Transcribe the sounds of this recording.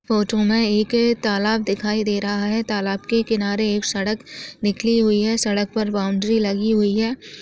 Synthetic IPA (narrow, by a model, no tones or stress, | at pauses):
foːʈomẽeːkt̪aːlaːb̚d̪ɪkʰaːid̪eːɾɐɦaɦɛt̪aːlaːbkekɪnaːɾeːksɐɽəknɪkʰliɦʊiɦɛsɐɽək̚pɐɾbaːʊ̃ɳɖɾilɐɡiɦʊiɦɛː